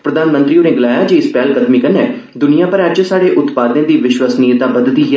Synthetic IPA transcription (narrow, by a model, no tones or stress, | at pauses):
pɾəd̪aːnmə̃nt̪ɾiːoːneːɡəlaːjaːd͡ʒeɪspɛːlkəd̪miːkənɛ̃ː | d̪ʊnijãːpəɾɛd͡ʒsaːɽeːʔʊt̪paːd̪ẽːd̪iːʋɪʃwəsnijət̪ãːbəd̪d̪iː